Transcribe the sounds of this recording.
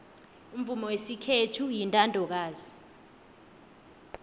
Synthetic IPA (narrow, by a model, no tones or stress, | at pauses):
um̩vumɔwesikʰetʰujintʼandʱɔk̬aːzi